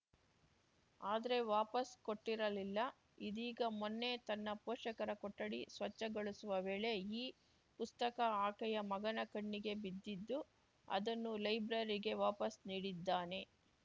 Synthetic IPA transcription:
aːd̪ɐɾe̞ʋaːpɐsko̞ʈːiɾɐlilːɐ | id̪iːɡɐmonːe̞t̪ɐnːɐpoːʃɐkɐɾɐkɔʈːɐɽisʋɐt͡ʃːɐɡɐɭusuʋɐʋe̞ːɭe̞iː | pust̪ɐkɐaːkɐjɐmɐɡɐnɐkɐɳːiɡe̞bid̪ːid̪ːu | ɐ̰d̪ɐnːulɐjbɾɐɾiɡe̞ʋaːpɐsniːɽid̪ːaːne̞

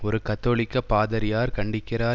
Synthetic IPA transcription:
ɔɾɯkɐt̪ːoːɭɪkːɐpːaːðɐɾɪjaːɾkɐɳɖɪkːɪɾaː

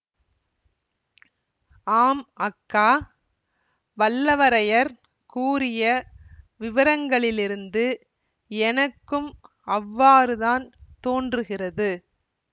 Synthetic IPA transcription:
aːmɐkːaː | ʋɐlːɐʋɐɾɐjɐɾ | kuːɾɪjɐʋɪʋɐɾɐŋɡɐɭɪlɪɾɯnd̪ɯ | ɛnɐkːɯm | ɐʋːaːɾɯðaːnt̪oːndrɯɣɪrɐðɯ

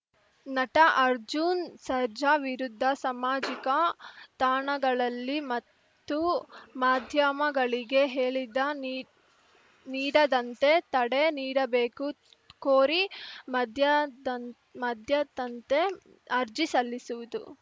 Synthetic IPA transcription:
nɐʈɐʔɐɾd͡ʒunsɐɾd͡ʒɐʋiɾud̪ʱːɐsɐmaːd͡ʒikɐt̪aːɳɐɡɐɭɐlːimɐt̪ːumaːd̪ʱjɐmɐɡɐɭiɡe̞ɦeːɭid̪ɐ | niːɽɐd̪ɐnt̪e̞t̪ɐɽeniːɽɐbe̞ːku | koːɾimɐd̪ʱjɐ | mɐd̪ʱjɐt̪ɐnt̪e̞ | ɐɾd͡ʒisɐlːisuʋud̪ṵ

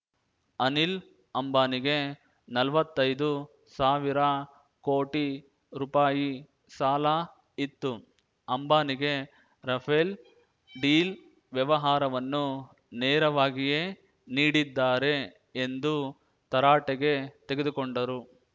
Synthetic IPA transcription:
ɐnil | ɐmbaːniɡe̞ | nɐlʋɐt̪ːɐjd̪u | saːʋiɾɐ | koːʈi | ɾuːpaːji | saːla | it̪ːu | ɐmbaːniɡe̞ | ɾɐpʰel | ɖiːl | ʋjɐʋɐɦaːɾɐʋɐnːu | neːɾɐʋaːɡijeː | niːɽid̪ːaːɾe̞ː | nd̪u | t̪ɐɾaːʈɛɡe̞t̪e̞ɡed̪ukoɳɖɐɾu

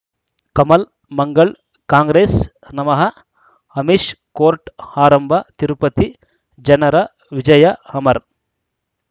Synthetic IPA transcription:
kɐmɐl | mɐŋɡɐɭ | kaːŋɡɾeːs | nɐmɐɦɐ | ɐmiʃkoːɾʈaːɾɐmbʱɐt̪iɾupɐt̪i | d͡ʒɐnɐɾɐ | ʋid͡ʒɐjɐhɐmɐɾ

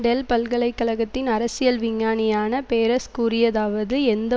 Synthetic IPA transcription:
ɖɛlpɐlɣɐɭɐɪkːɐɭɐɣɐt̪ːɪnɐɾɐsɪjɐlʋɪŋːaːnɪjaːnɐpeːɾɐskuːrɪjɐðaːʋɐðɯɛnd̪ɐ

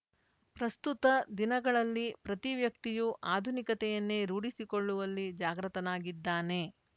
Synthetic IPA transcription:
pɾɐst̪ut̪ɐd̪inɐɡɐɭɐlːipɾɐt̪iʋjɐk̚t̪ijuʔaːd̪ʱunikɐt̪ɛjɐnːeɾuːɽisikoɭːuʋɐlːid͡ʒaːɡɾɐt̪ɐnaːɡid̪ːaːne̞

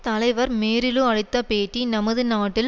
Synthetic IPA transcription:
t̪ɐlɐɪʋɐɾmeːɾɪlɯɐɻɪt̪ːɐpeːʈːinɐmɐðɯnaːʈːɪl

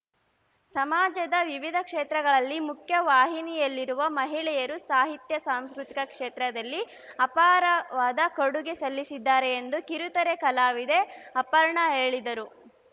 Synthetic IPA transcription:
sɐmaːd͡ʒɐd̪ɐʋiʋid̪ʱɐkʂeːt̪ɾɐɡɐɭɐlːimukʰjɐʋaːɦinijɐlːiɾuʋɐmɐɦiɭɛjɐɾusaːɦit̪jɐsaːmskɾut̪ikɐkʂeːt̪ɾɐd̪ɐlːi | ɐpaːɾɐʋaːd̪ɐkoɽuɡe̞sɐlːisid̪ːaːɾe̞ːnd̪ukiɾut̪ɐɾe̞kɐlaːʋid̪e̞ɐpɐɾɳɐɦeːɭid̪ɐɾu

